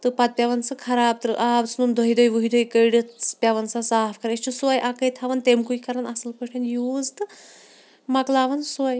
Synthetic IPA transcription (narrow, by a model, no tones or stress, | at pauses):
t̪ɨpɐt̪̚pʲjɐʋɐnsɨkʰɐɾaːb̚t̪ɨɾɨʔaːbt͡sʰnund̪ʱoɦid̪ojʋuɦid̪oːjkəjɖɨspʲɐʋɐnsasaːfʰkɐɾesʲt͡ʃʰusuajʔakɐjt̪ʰaʋɐnt̪emkuikɐɾɐnɐsɨlpɐʈʰɐnjuːzt̪ɨ | mɐklaːʋɐnsuaj